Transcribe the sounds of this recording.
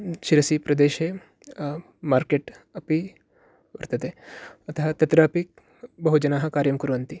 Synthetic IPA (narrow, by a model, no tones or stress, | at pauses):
ʃiɾɐsipɾɐd̪eːʃe | maːɾkeːʈɐpi | ʋɐ̰ɾt̪ɐt̪eːɐt̪ɐɦat̪ɐt̪ɾaːpik̚ | bɐɦud͡ʒɐnaːɦɐ̆kaːɾjɐmkuɾuʋɐnt̪i